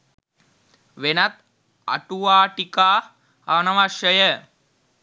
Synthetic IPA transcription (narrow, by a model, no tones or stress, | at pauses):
ʋenat̪ | a̰ʈuʋaːʈikaː | anɐʋaʃəjə